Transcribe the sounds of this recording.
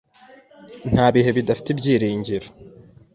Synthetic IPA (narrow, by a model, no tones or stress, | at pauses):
n̥haːβiɦe̞βidafi̥tibɟiːɾiːɲɟiɾo